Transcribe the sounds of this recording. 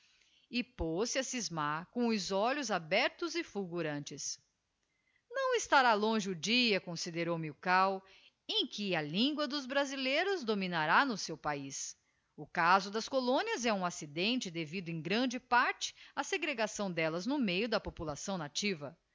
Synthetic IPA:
ɪposɪɐsizmakõʊzɔʎʊzabɛɾt̪ʊzɪfulɡuɾɐ̃nt͡ʃɪs | nɐ̃w̃ɪst̪aɾalõʒɪʊd͡ʒiɐkõsid̪eɾowmɪʊkaw | ẽj̃kɪɐlĩŋɡwɐd̪ʊzbɾazilejɾʊzd̪omĩnaɾanʊsewpais | ʊkazʊd̪ɐskolõniɐzɛũasid̪ẽnt͡ʃɪd̪evid̪ʊẽj̃ɡɾɐ̃d͡ʒɪpaɾt͡ʃɪ̥ɐseɡɾeɡasɐ̃w̃d̪ɛlɐznʊmejʊd̪ɐpopulasɐ̃w̃nat͡ʃivɐ

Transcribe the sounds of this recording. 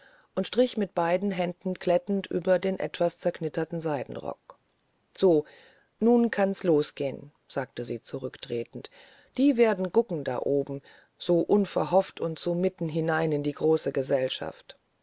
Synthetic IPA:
ʔʊntʃtʁ̥ɪçmɪt̚b̥aɪdn̩ɦɛndn̩kʰl̥ɛtn̩tʔy̰ːbɐdeːnʔɛ̰tv̥ast͡sɛɐkʰnɪtɐtn̩zaɪdn̩ʁɔ̰k̚ | z̥oː | nuːnkʰansloːsɡ̥eːən | z̥aːk̚təziːt͡suʁʏktʁ̥eːtn̩t | d̥iːveːɐdn̩ɡʊkŋ̩da̰ːʔoːbm̩ | z̥oːʔʊnfɛɐɦɔftʊntz̥oːmɪtn̩ɦɪnaɪnɪndiːɡʁoːsəɡəzɛlʃa̰ft

